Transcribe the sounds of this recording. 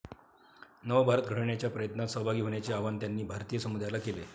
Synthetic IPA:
nəʋbʱaɾət̪ɡʱəɽɳjat͡ɕjapɾəjət̪nat̪səɦbʱaɡiːɦoɳjat͡seaʋant̪janːiːbʱaɾt̪ijəsəmud̪jlakele

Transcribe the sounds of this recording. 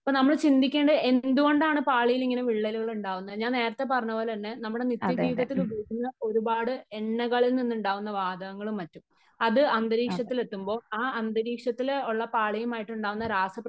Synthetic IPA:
ɐpːoːnɐmːɐɭt͡ɕind̪ikʲːe̞ːɳɖɐe̞nd̪uɣo̞ɳɖaːɳɨpaːɭijiliŋːɐneʋiɭːɐluɣɐɭuɳɖaːʋunːɐðɲaːnneːɾɐt̪ːe̞pɐrɐɲːɐʋoːlɐɐnːenɐmːuɽe̞nit̪ːjɐdiːb̪ɐt̪ːiluboːɡinːɐo̞ɾubaːɽɨeɳːɐɣɐɭilninːuɳɖaːʋunːɐʋaːd̪ɐɣɐŋːɐɭumːɐtːum | ɐðɨɐnd̪ɐɾiːkʂɐt̪ːile̞t̪ːumbo̞ːaːɐnd̪ɐɾiːkʂɐt̪ːiloɭːɐpaːɭɐjumaːjiʈːuɳɖaːʋunːɐɾaːsɐpːrɐ

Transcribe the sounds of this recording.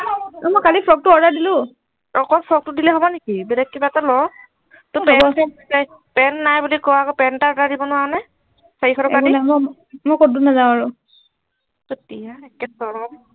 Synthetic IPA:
mɔjkalipʰɹɔɡ̚tʊɔɹdaɹdilʊ | ɹɔkɔpʰɹɔɡ̚tudilɛɦɔbɔnekibɛdɛk̚kibaɛtalɔ | tʊpɛbsasa | pɛnːajbulikɔakɔpɛntaɹɔdadibɔnʊanaj | saikʰɔɾɔkaniam | mɔjkodunazaʊ̃aɹʊ | kotijaɛkɛsɔɹɔm

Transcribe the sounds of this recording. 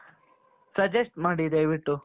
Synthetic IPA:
sɐd͡ʒesʈmaːɽid̪ɐjʋiʈːu

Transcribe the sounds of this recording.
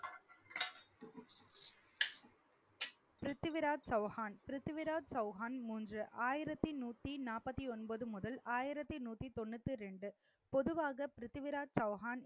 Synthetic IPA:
pɪɾɯt̪ːɪʋɪɾaːdsɐʊhaːnpɪɾɯt̪ːɪʋɪɾaːdsɐʊɣaːnmuːndrɯʔaːjɪɾɐt̪ːinuːt̪ːinaːpɐt̪ːiɔnbɐðɯmʊðɐlaːjɪɾɐt̪ːinuːt̪ːit̪ɔnːɯt̪ːɯɾɛɳɖɯ | pɔðɯʋaːɣɐpɪɾɪt̪ːɪʋɪɾaːd͡ʒsɐʊɦaːn

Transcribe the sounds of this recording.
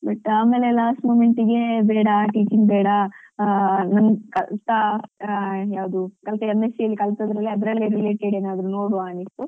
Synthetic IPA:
bɐʈaːme̞ːlelaːsʈmoːmeɳʈiɡe̞beːɽɐʈiːt͡ʃiŋɡ̚bɛːɽɐ | nɐnkɐlt̪ɐ | jaːʋɐd̪ukɐlt̪ɐemːesiɐlːikɐlt̪ɐd̪ɾɐlːiɐd̪ɐɾɐlːeɾileːʈeɖeːnaːd̪ɾuno̞ːɽuʋaːnist̪u

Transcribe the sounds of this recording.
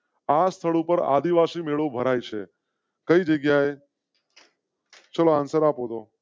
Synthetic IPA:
ast̪ʰəɭupəɾa̰d̪iʋasimeɭõbʱəɾajt͡ʃʰe | kəid͡ʒəɡjae | t͡ʃəloansəɾapod̪o

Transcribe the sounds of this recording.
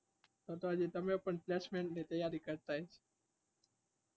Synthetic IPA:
t̪ot̪oɦəd͡ʒet̪əmẽpəɳplesmẽɳʈnet̪əjːaɾikəɾt̪aɦet͡ʃʰe̥

